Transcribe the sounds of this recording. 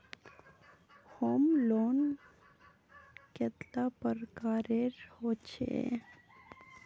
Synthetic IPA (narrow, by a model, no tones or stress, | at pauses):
homloːn | ket̪lapəɾkaːɾeɾhot͡ʃʰḛ